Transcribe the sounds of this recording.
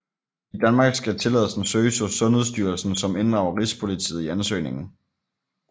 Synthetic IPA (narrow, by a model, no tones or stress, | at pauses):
id̥ænmɑ̈ːɡ̥sɡ̥æt͡sʰe̝lɛ̰ðˠəsn̩søːsɒsɔ̽nheðˠsd̥yɐlsn̩sɒ̽me̝nd̥ʁɑ̈ʊɐʁispʰo̝lit͡sʰḭːð̩ˠiænsø̰ɪne̝ŋn̩